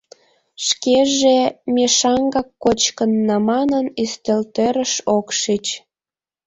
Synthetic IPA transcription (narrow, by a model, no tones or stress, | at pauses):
ʃkeʒemeʃɑŋɡɑkːot͡ɕkənːɑmɑnənyst̪elt̪øɾəʃokʃit͡ɕ